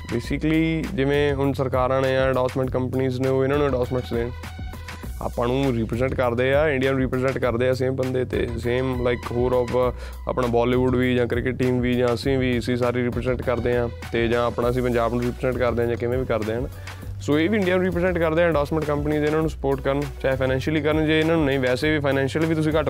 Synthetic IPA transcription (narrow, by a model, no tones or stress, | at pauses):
beːsɪkliːd͡ʒɪʋẽːʊnsəɾkaːɾãːneːd͡ʒãːɖɔːsmɛ̃ɳʈ̚kəmpəniːzneːoːɪnãːnũːeɖɔːsmɛ̃ɳʈsd̪eːn | a̰ːpãːnũːɾiːpɾzɛ̃ːɳʈkəɾd̪eːaːɪ̃ɳɖijaːnũːɾiːpɾəzɛ̃ːɳʈkəɾd̪eːaːs̬eːmbənd̪eːt̪ḛːseːmlaɪkɦoːɾɔːp | a̰pɳaːbɔːliːʋʊɖʋiːd͡ʒãːkɾɪkɪʈʈiːmʋiːd͡ʒãːəsĩːʋiːsĩːsaːɾiːɾiːpɾzɛ̃ɳʈkəɾd̪eːãːt̪eːd͡ʒãːapɳãːəsĩːpəɲd͡ʒaːbnũːɾiːpɾzɛ̃ɳʈkəɾd̪eːãːd͡ʒãːkɪʋẽːʋiːkəɾd̪eːɦən | soːeːʋiːɪ̃ɳɖiaːnũːɾiːpɾzɛ̃ɳʈkəɾd̪eːãːɖɔːsmə̃ɳʈkəmpəniːzeɪnãːnũːsə̥poːɾʈkəɾənt͡ʃaːeːpʰaɪnɛ̃ːnʃəliːkəɾənd͡ʒeːɪnãːnũːnəĩːʋɛːseːʋiːpʰaːɪnɛ̃ːnʃəlːʋiːt̪ʊsĩːkə